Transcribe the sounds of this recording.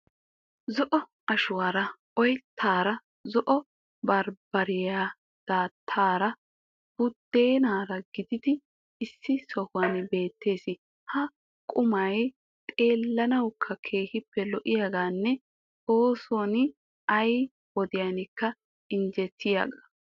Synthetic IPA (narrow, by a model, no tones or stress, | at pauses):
zɔʔɔ | ɐʃʊwaːɾɐ | ɔjt̪ʰːaːɾɐ | zɔʔɔ | bɐɾbɐɾɪjaː | d̪̥aːt̪ʰːaːɾɐ | b̥ʊd̪̥ːe̞ːnaːɾɐɡɪd̪ɪd̪ɪː | sːɪsɔhʊwɐnbe̞ːt̪ːe̞ːsɪ | hɐ | kʼʊmɐj | t̪ʼe̞ːlːɐnɐwkʰːɐkʰe̞ːhɪpːɛlɔʔɪjaːɡaːnːɛ | oːsɔnɪ | ɐj | wɔd̪ɪjanɪkːɐ | ɪnd͡ʒɛt̪ːɪja̰ːɡa